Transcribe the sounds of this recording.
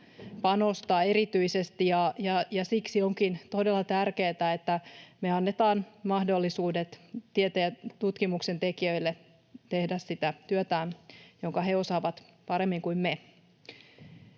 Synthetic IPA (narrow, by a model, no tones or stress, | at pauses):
pɑnost̪ɑeɾit̪yisest̪ijɑjɑjɑsiksioŋkint̪odelːɑt̪ærkeːt̪æet̪ːæmeɑnːet̪ɑːnmɑhdo̞lːisuːdet̪t̪iet̪ejæt̪ut̪kimuksent̪ekiø̞ilːe | t̪ehdæssit̪æt̪yøt̪æːnjoŋkɑheosɑːʋɑt̪ | pɑɾemːiŋkuimme